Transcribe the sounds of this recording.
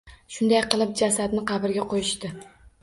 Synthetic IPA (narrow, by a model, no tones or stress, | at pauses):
ʃʊnd̪ajqɨlˠɪp̚d͡ʒasad̪nɪqʰɑbɪɾɡʲaqʰojɪʃt̪ɪ